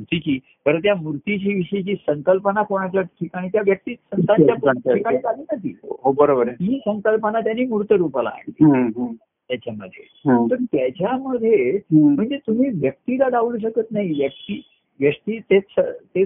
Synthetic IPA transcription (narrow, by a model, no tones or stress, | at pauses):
muɾt̪it͡ɕiː | kəɾət̪jamuɾt̪it͡ɕiːʋiɕit͡ɕiːsəŋkəlpənakoɽ̃at͡ɕjaʈʰikaɽ̃iːt̪jaʋjək̚t̪iːsənt̪ãjaikaɽ̃iːkad̪ʱiːnat̪ḭːɦobəɾobəɾiːsəŋkəlpənat̪janːiːmuɾut̪əɾupala̰ːɳli | t̪jat͡ɕaməd̪ʱːjḛ | ɦt̪əɾt̪jat͡ɕjaməd̪ʱjem̤əɳd͡zet̪um̤iːʋjək̚t̪ilad̪aʋuluɕ̬əkət̪naɦiʋjək̚t̪iː | ʋjəʂt̪iːt̪et͡sət̪e